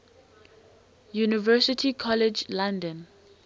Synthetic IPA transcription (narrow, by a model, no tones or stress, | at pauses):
junivɜsɪtʰikʰɔlɛd͡ʒlãndə̃n